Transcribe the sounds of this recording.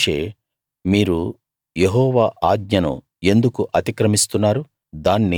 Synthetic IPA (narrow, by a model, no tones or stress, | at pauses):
ʃḛː | miːɾu | jeɦɔːʋaːʔaːɡɲɐnṵ | e̞nd̪ukuʔɐt̪ikɾɐmist̪unːaːɾu | d̪aːnːi